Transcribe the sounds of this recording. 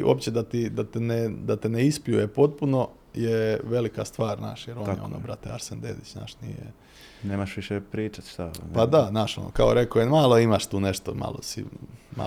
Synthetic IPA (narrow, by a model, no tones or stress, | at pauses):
ʔo̰pt͡ɕed̪at̪id̪at̪ened̪at̪eneispiujepo̞t̪̚puno̞ | jeʋe̞likast̪ʋaːɾna̰ːʃjeɾonjḛo̞̰no̰bɾat̪eaɾsend̪eːd̪it͡ʃna̰ːʃnḭjḛ | neːmaʃʋiʃepɾiːt͡ʃat̪ʃt̪apad̪anaːʃo̰no̰kaoɾe̞kojemaːlˠoimaʃt̪uːneʃt̪oma̰ːlosḭma̰